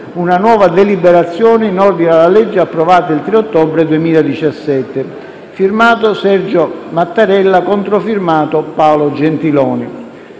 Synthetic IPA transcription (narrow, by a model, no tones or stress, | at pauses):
unanwɔːvad̪elibɛɾat̪sːjɔːnɪinɔrd̪inalːalɛd͡ʒːeapːɾɔvaːt̪ailt̪ɾeot̪ːɔbɾed̪uemiːlad̪it͡ʃasːɛt̪ːɪ | firmaːt̪osɛrd͡ʒomat̪ːaɾɛlːakɔnt̪ɾofirmaːt̪opaolod͡ʒɛnt̪ilɔːnɪ